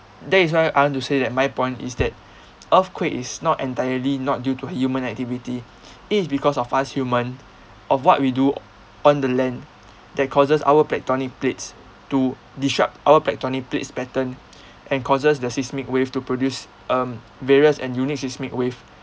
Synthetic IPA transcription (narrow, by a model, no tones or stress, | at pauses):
dɛtis̬wajaɪwɔ̃ntusedɛt̚majpɔ̃ɪ̃ntḭsdɛt̚ | ʔəfkʰwekisnɔtɛ̃ntajəlinɔt̚djutuəhjumə̃nɛk̚tivitiː | tisbikɔsɔfashjumə̃n | ʔɔfwɔt̚widu | ɔ̃ndəlɛ̃n | dɛt̚kʰɔsəsa̰wəplɛk̚tɔnik̚plets | tu | diʃɹap̚tʔawəplɛk̚tɔnik̚plḛtspɛtə̃n | ʔɛ̃nkʰɔsəsdəsistmikweftupɹodjus | əm | veɹiəsɛ̃njunik̚sistmikwev